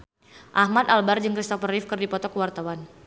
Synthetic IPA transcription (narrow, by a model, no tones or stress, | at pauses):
ʔahmat̪albard͡ʒɨŋkɾist̪ɔfərɪfkɨrdipɔt̪ɔkəwart̪awan